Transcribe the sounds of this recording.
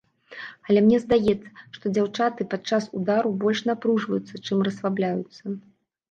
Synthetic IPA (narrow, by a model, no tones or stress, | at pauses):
ɐlʲɛmnʲɛzd̪ajɛt̪sːɐ̥ʂt̪ɔd͡zʲawt͡ʂat̪ɨpat̪t͡ʂasud̪aɾubɔlʲʂnapɾuʐvɐjut̪sːɐt͡ʂɨmrɐsvablʲajut̪sːɐ